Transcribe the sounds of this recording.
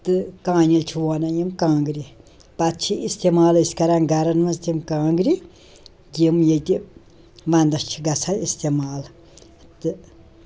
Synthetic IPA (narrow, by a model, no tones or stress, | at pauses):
t̪ɨkãːnilt͡ʃʰuwaːnajimkãːŋɡɾi | pat̪̚t͡ʃʰiist̪emaːliskɐɾaːnɡɐɾɐnmɐzt̪imkãːŋɡɾi | ɡimjet̪i | mand̪ɐst͡ʃʰiɡɐsʰaist̪emaːl | t̪ɨ